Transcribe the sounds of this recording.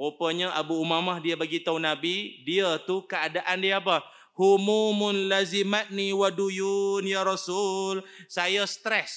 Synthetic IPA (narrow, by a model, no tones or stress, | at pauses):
opəɲəʔabuːmamahdiəbaɡit̪aunabidiət̪ukəadaʔandiəap̬əh | humumʊnlazimat̪̚niwadujunjaɾasulsajast̪ɾɛs